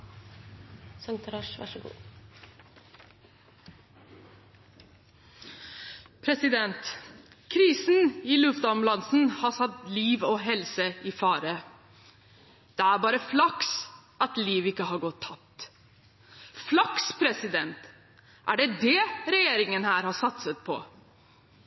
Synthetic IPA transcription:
sɑŋt̪ʰɾɑʃʋɑ̰ʂɡṵː | pʰɾɛsɪd̪ɛnt̪ | kʰɾiːsn̩ɪlʉft̪ɔmlɑnsn̩hɑsɑt̪liːʋɔːɦɛlsəɪfɑːɾə | d̪̥ɛæɾbɑːɾəflɑks | ʔɑt̪liːʋɪkːəɦɑɾɡɔt̪ʰːɑp̚t̪ | flɑkspʰɾɛsɪd̪ɛnt̪ | ʔæɖɛd̪ɛɾɛjeːɾɪŋənhæːɾhɑsɑt̪sət̪̚pʰɔ̰

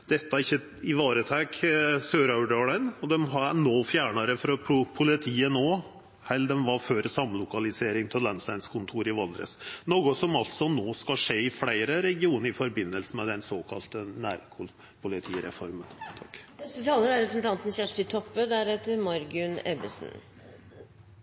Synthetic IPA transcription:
d̪̥ɛt̪ːəæɾɪçːə | ɪʋɑːɾət̪ʰɛksøːɾɑʉɖøːɭæɪnɔd̪ɛmɦɑnoːfjæːɳɑɾəfɾɑpʰʊpʰʊlɪt̪ʰiːənoː | hɛld̪ɛmʋɑɾføːɾsɑmlʊkɑlɪseːɾɪŋt̪ʰɪllɛnslæɪnskʰʊnt̪ʰuːɾɪʋɑld̪ɾə̰snoːɡʊsɔmɑlt̪sɔnoːskɑʂeːɪflæɪɾəɾɛɡɪuːnəɾɪfɔɾbɪnːəlsəmɛd̪ɛnsoːkʰɑ̰lt̪ənæːɾkʰʊ | pʰʊlɪt̪ʰiːɾɛ̰fɔ̰ɾmənt̪ʰɑ̥kːnɛt̪ət̪ʰɑːləɾæɾɛsnt̪ʰɑnt̪n̩çæʂʈɪt̪ʰɔpːəd̪æɾɛt̪ːəɾmɑɾɡʉnɛbəsn̩

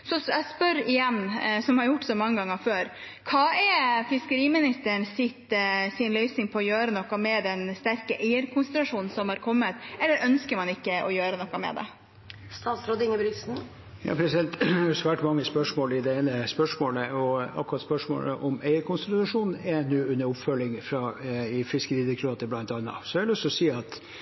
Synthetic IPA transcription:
sɔsæspœɾɪjɛnːsɔmhɑɾjʊʈːsɔmɑŋːəɡɑŋːəføːɾ | kʰɑːɛfɪskəɾiːmɪnɪst̪əɳsɪt̪sɪnlœʏsnɪŋpʰɔɔjøːɾənɔkːɑmɛd̪ɛnst̪æɾkəʔæɪəɾkʰʊnslɑʂuːnn̩sɔmhɑɾkʰɔmːət̪ɛlːəɾœnskəɾmɑnɪkːəʔɔjøːɾənɔkːɑmɛ̰d̪ɛ̰ | st̪ɑːt̪sɾɔd̪ɪŋəbɾɪsn̩ | jɑ̰ːpʰɾɛsɪd̪ɛnt̪ɑsʋæːʈmɑŋːəspœʂmoːlɪd̪ɛeːnəspœʂmoːləɔɑ̰kʊɾɑt̪spœʂmo̰ːlə̰ʔɔmæɪəɾkʰʊnsɛlɑʂuːn̩ɛnʉːʉnːəɾʊpfœlːɪŋfɾɑɪfɪskəɾiːd̪əkʰɾɑːt̪əblɑnt̪ɑnːɑ̰sɔælʉst̪ɔsiːɑt̪

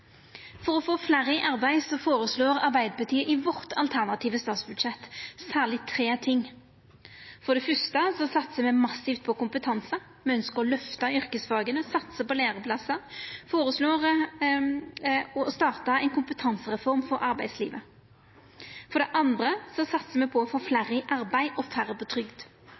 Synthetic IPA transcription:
fɔɾɔfoːflæɾɪʔɑɾbæɪsɔfoːɾəsloːʁɑɾbæɪd̪əpɑt̪ʰiːəʔɪʋɔʁt̪ʰɑlt̪ʰæʁnɑt̪ʰiːʋəst̪ɑːt̪sbʉd̪ʂɛt̪ːsæːʁlɪt̪ʰɾeːt̪ʰɪŋ | fɔʁd̪ɛfœst̪əsɔsɑt̪ːsəmɛmɑsɪft̪̚pʰɔkʊmpət̪ʰɑnsə | mɛœnskəɾɔlœft̪ɑʏɾkəsfɑːɡənəsɑt̪səpɔleːʁəpʰlɑsəfoːɾəsloːʁ | ɔst̪ɑːʁt̪ɑɛɪnkʰʊmpət̪ʰɑnsəʁɛfɔɾmfɔɾʔɑɾbæɪslḭːʋə | fɔɾd̪ɛʔɑnd̪ɾəsɔsɑt̪səmɛpʰɔɔfoːflæɾəʔɑɾbæɪʔɔfæɾːəpɔt̪ʰɾʏɡd̪

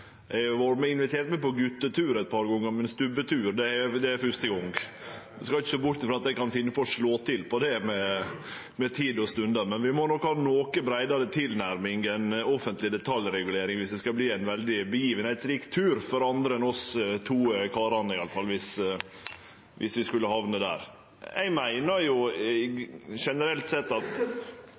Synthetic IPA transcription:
ɛɪɡʋoɾmɛɪnʋɪt̪ʰeːɾʈ̪mɛpɔɡʉt̪ːət̪ʰʉːɾɛt̪̚pʰɑːɾɡɔŋəɾmɛnst̪ʉbət̪ʰʉːɾd̪ɛæd̪ɛæfʉʂt̪əɡɔŋd̪ɛskɑlɪçəsoːbʊʈʈ̪ɪfɾɑt̪̚d̪ɛɪkɑnfɪnːəpɔʂɭoːt̪ʰɪlpʰɔd̪ɛmɛ | mɛt̪ʰiːd̪ɔst̪ʉnd̪ɑmɛnʋɪmɔnɔkhɑːnoːkəbɾæɪd̪ɑd̪ət̪ʰɪlnæɾmɪŋɡɛɪnɔfənt̪lɪd̪ɛt̪ʰɑljɾɛɡʉleːɾɪŋʋɪsd̪ɛskɑbliːæɪnʋɛld̪ɪbəjiːʋənhæɪt̪sɾiːkt̪ʰʉːɾfɔɾɑnd̪ɾəɛnɔst̪ʰuːəkʰɑːɾɑnəɪɑləfɑlːʋɪs | ʋʔɪ̰sʋɪskʉlːəhɑʋnəd̪æ̰ːɾ | æ̰ɪmæɪnɑjʊ | ʂɛnəɾɛlt̪sɛt̪ːɑt̪

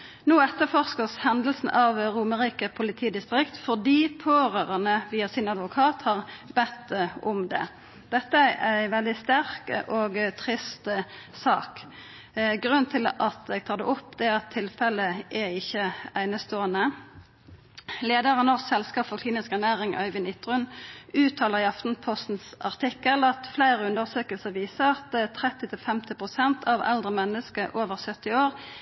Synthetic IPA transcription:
noːɛt̪ːəfɔʁskəshɛnd̪lsn̩ʔɑʋɾuːməʁiːkəpʰʊlɪt̪ʰiːd̪ɪst̪ʁɪkt̪fɔʁd̪iːpʰoːʁøːʁənəʋiːɑsɪnɑd̪ʋʊkʰɑːt̪hɑʁbɛt̪ːʊmd̪ɛ̰ | d̪̥ɛt̪ːəæʔæɪʋɛld̪ɪst̪æʁkʔoːɡt̪ʰʁɪst̪ | sɑ̰ːk | ɡʁʉnt̪ʰɪlɑt̪̚d̪ɛɡt̪ʰɑːd̪ɛ̰ʔʊpːd̪ɛɑt̪ʰːɪlfɛləʔæɪçːəæɪnəst̪oːənə | leːd̪əʁənɔʁsɛlskɑːpfɔʁkʰliːnɪskæʁnæːʁɪŋʔœ̰ʏʋɪnɪt̪ʁʉnʉːt̪ʰːɑːləʁɑft̪n̩pʰɔst̪n̩sɑʁt̪ʰɪkːəlɑt̪flæɪʁəʉnd̪əʁsøːkəlsəʁʋiːsəʁɑt̪t̪ʰʁɛt̪ːɪt̪ʰɪlfɛmt̪ɪpʁʊsɛnt̪ʰɑʋɛ̰ld̪ʁəmɛnːəskəʔoːʋəʁsœt̪ːɪoːʁ

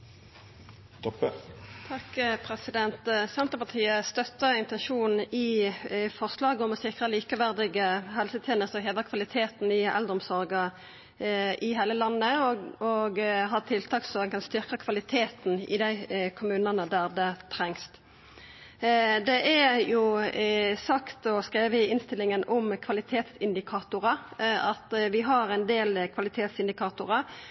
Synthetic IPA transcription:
t̪pːət̪ʰɑkpʰɾɛsɪd̪ɛnt̪sɛnt̪əpɑt̪ʰiːəst̪œt̪ːəɾɪnt̪ɛnʃuːnn̩ɪfɔʁslɑːɡəɔmɔsɪkʁəliːkəʋæʁd̪ɪɡəɦɛlsət̪ʰjeːnəst̪ɔɦeːd̪əkʰʋɑlɪt̪ʰeːt̪n̩ɪɛ̰ld̪əʁɔmsɔʁɡə | ʔɪɦæɪləlɑnːəɔɡɦɑt̪ʰɪlt̪ʰɑːksɔɛnkʰɑnst̪ʏʁkəkʰʋɑlɪt̪ʰeːt̪n̩ɪ̰d̪æɪkʰʊmʉːnənəd̪æʁd̪ɛt̪ʰɾɛŋst̪ | d̪ɛʔæjʊ | sɑkt̪ɔskɾeːʋəɪɪnst̪ɪlːɪŋənʔʊmkʰʋɑlɪt̪ʰeːt̪sɪnd̪ɪkʰɑːt̪ʊɾɑɑt̪ʋɪɦɑɾɛɪnd̪eːlkʰʋɑlɪt̪ʰeːt̪sɪnd̪ɪkʰɑːt̪ʊʁə

